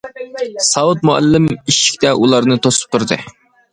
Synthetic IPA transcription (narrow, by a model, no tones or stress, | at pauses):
sɑwut̪̚muæ̰lːɪmiʃi̥kʲt̪ɛʔulˠɑɾnɨt̪ʰosu̥p̚t̪ʰʊɾd̪ɨ̰